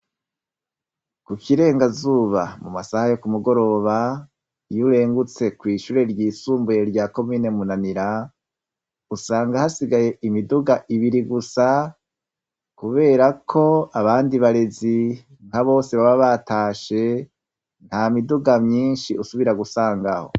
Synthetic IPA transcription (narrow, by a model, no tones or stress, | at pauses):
kukʰiɾe̞ːŋɡazuːβamumasahajo̞kumuɡo̞ɾo̞ːβa | juɾe̞ːŋɡut͡se̞kwiːʃuːɾe̞ɾɟiːsuːmbuje̞ɾɟaːko̞miːne̞munaniɾa | usaːŋɡahasiɡaje̞ʔimiduɡaʔiβiɾiɡusa | kuβe̞ːɾakʰo̞aβaːndiβaɾe̞zi | ŋkaβo̞ːse̞βaβaβataːʃe̞ | n̥haːmiduɡamɲiːnʃiʔusuβiɾaɡusaːŋɡaho̞̰